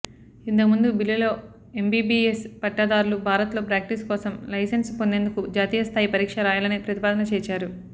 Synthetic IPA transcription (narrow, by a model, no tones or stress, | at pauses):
int̪̬ɐkmund̪ubilːɐlo̞ː | e̞mbiːbiːespɐʈːɐd̪aːɾulubʱaːɾɐt̪lo̞ːpɾaːk̚ʈiskɔːsɐmlɐjsenspo̞nd̪e̞ːnd̪ukud͡ʒaːt̪iːjɐst̪ʰaːjipɐɾiːkʂɐɾaːjaːlɐnipɾɐt̪ipaːd̪ɐnɐt͡ʃɛːt͡ʃaːɾu